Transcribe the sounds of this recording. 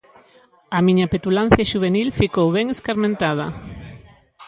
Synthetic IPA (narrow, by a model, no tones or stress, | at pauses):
ɐmiɲapet̪ulan̟θjaʃuβ̞enilfikowβɛŋeskaɾmẽnt̪að̞ɐ